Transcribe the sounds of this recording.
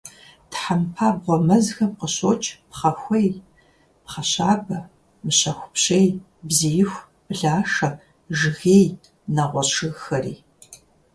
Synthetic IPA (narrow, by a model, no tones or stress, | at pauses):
tħampʰaːbʁʷɔmɐzxɐmqəɕoːt͡ʃʰʼpχɐxʷej | pχɐɕaːbɐ | mɨɕɐxʷʊpɕej | bzijɪxʷ | b̥ɮaːʂɐ | ʒɨɣeːj | nɐʁʷɔɕʰɨɣxɐɾiː